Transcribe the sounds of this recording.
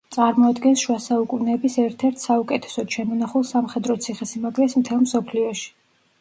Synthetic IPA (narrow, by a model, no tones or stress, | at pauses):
t̪sʼaɾmɔad̪ɡɛnsʃwasaukʼunɛːbisɛɾt̪ʰɛɾt̪ʰsaukʼɛt̪ʰɛ̥sɔd̪̥ʃɛmɔnaχulˠsamχɛd̪ɾɔt̪sʰiχɛsimaɡlɛt̪smt̪ʰɛlˠmsɔpʰliɔʃi̥